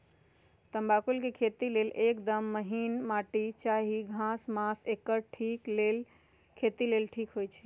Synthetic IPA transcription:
t̪əmbakulkekʰet̪ilelekd̪əmːəɦinmaʈit͡ʃaɦiɡʱãsmãsekːəɾʈʰiklel | kʰet̪ilelʈʰikɦojt͡ʃʰɛ̥

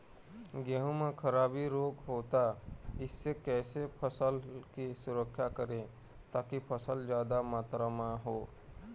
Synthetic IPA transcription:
ɡjəɦõmẽkʰəɾaːbiɾoːkɦoːt̪aɪsːekɛːsepʰəsəlkisʊɾəkʰːjakəɾẽ | t̪aːkipʰəsəld͡ʒjaːd̪amaːt̪ɾamaɦoː

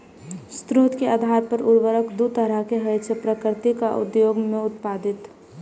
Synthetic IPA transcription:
st̪ɾut̪keaːd̪ʱaːɾpəɾʊɾʋəɾəkd̪ut̪əɾəɦkeɦəɪt͡ʃʰepɾəkɾt̪ikaʔʊ̰d̪joːɡmẽʊt̪̚paːd̪ɪt̪

